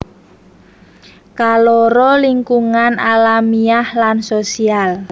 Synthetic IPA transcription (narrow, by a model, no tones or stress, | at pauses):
kalɔɾɔliŋkuŋanʔalamiahlansosial